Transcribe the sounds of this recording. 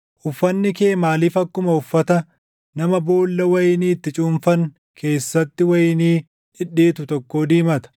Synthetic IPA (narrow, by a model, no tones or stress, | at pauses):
ʔʊfːɐnːɪke̞ːmaːliːfɐkːʊmɐʊfːɐt̪ɐ | nɐmɐbo̞ːlːɐwɐjɪniːt̪ːɪt͡ʃʼuːmfɐŋ | kʰe̞ːsːɐt̪ːɪwɐjɪniː | ᶑɪᶑeːt̪ʊt̪ɔkːo̞ːd̪iːmɐt̪ɐ̥